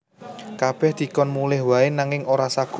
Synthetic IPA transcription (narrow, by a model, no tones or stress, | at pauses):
kab̥ɛhd̪̥i̤kɔnmulɪhwaɪnaŋɪŋoɾasaɡ̥u